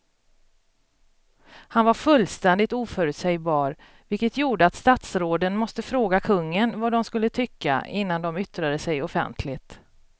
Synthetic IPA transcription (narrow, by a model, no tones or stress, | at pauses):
hanvaɾfɵlːst̪ɛnd̪ɪt̪uːfœːɾɵt̪sɛjbɑːɾ | vɪlkət̪juːɖəat̪st̪at̪sɾoːd̪ənmɔst̪əfɾoːɡakʰɵŋːənvad̪ɔmskɵlːət̪ʰʏkːa̰ɪnːand̪ɔmʏt̪ɾad̪əsɛjɔfɛ̰nt̪ʰlɪt̪